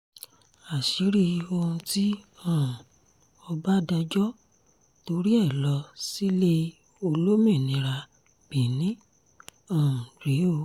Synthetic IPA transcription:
a˨ʃi˨˦ɾi˧o˧ũ˧ti˦ɔ̃˦˨ | ɔ˧ba˦da˧d͡ʒɔ˦ | to˧ɾi˦ɛ˦˨lɔ˨˧si˦le˦ | o˧lo˦mĩ˦˨nĩ˨˦ɾa˧ | b̥ĩ˨nĩ˦ | ɔ̃˦˨ɾe˨˦o˧

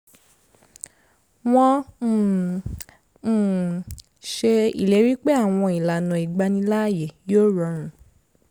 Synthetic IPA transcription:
w̃ɔ̃˧˨ | ʃe˧ḭ˨le˨˦ɾi˦k͡pe˦a˦˨w̃ɔ̃˧i˨la˨nã˨i˨ɡ͡ba˧nĩ˧laː˦˨je˨joː˦˨ɾɔ̃˧˦ɾ̃ũ˧˦

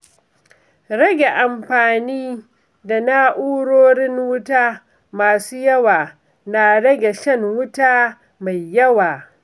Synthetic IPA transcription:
ɽɐ˦ɡʲe˨ʔa˨mɸaː˨niː˦ | da˨na˦ʔuː˦ɽoː˦ɽɪ˦ŋwʊ˦taː˦ | maː˨suː˦jɐ˦waː˨ | na˨ɽɐ˦ɡʲe˨ʃɐ˦ŋwʊ˦taː˦ | ma˨jːɐ˦waː˨

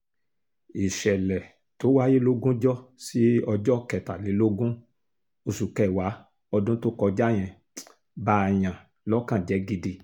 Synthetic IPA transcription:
i˨ʃɛ˨lɛ˨ | to˨˦wa˦je˦lo˦ɡũ˦d͡ʒɔ˦si˦ɔ˧d͡ʒɔ˦kɛ˨ta˨le˨˦lo˦ɡũ˦ | o˧su˨kɛ˦˨wa˨˦ | ɔ˧dũ˦to˦kɔ˧d͡ʒa˦j̃ɛ̃˧ | ba˧˦a˧j̃ã˨ | lɔ˦kã˦˨d͡ʒɛ˨˦ɡi˧di˧

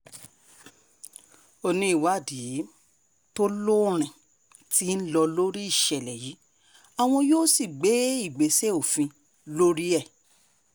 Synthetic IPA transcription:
o˧nĩ˦i˦˨wa˦˨di˨˦ | to˦lo˦˨ɾ̃ɛ̃˨ | ti˦n̩˦lɔ˧lo˦ɾi˦i˦˨ʃɛ˨lɛ˨ji˨˦ | a˨w̃ɔ̃˧joː˦si˦˨ɡ͡be˨˦i˦˨ɡ͡be˨˦se˦o˦˨fĩ˧ | lo˦ɾi˦ɛ˦˨

